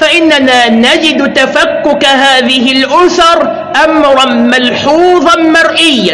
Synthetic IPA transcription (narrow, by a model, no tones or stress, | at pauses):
faʔɪnːanaːnad͡ʒɪd̪t̪afakːʊkaɦaːðɪɦɪlʔʊθɑɾˤ | ʔamɾˤɑnmalħuːðˤɑmɑɾˤʔɪjːa